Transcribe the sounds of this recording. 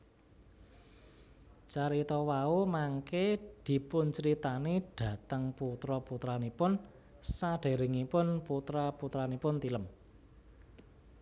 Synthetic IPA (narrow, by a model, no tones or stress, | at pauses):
t͡ʃaɾit̪ɔwaumaŋked̪̥i̤pʊnt͡ʃəɾit̪aneɖ̥ä̤t̪əŋput̪ɾɔput̪ɾanipʊn | saɖ̥e̤ɾeŋipʊnput̪ɾaput̪ɾanipʊnt̪iləm